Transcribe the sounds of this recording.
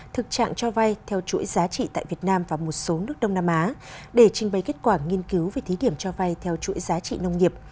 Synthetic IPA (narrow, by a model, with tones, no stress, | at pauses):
t̪ʰɨ˨˩k̚t͡ɕa̰ː˧˨ŋt͡ɕɔ˧va˧jt̪ʰɛ˧wt͡ɕṵ˧˥jzaː˨˦t͡ɕḭ˧˨t̪a̰ː˧˨jvi˨˩ət̚naː˧mvaː˨˩mo˨˩t̚so˨˦nɨ˦˥ək̚ɗə˧wŋ͡mnaː˧mʔaː˨˦ɗe˧˩t͡ɕï˨˩ŋ̟ɓə˨˩jke˦˥t̚kwaː˧˩ŋi˧ənki˨˦wve˨˩jt̪ʰi˨˦ɗi˧˩əmt͡ɕɔ˧va˧jt̪ʰɛ˧wt͡ɕṵ˧˥əjzaː˨˦t͡ɕḭ˧˨nə˧wŋ͡mŋi˨˩əp̚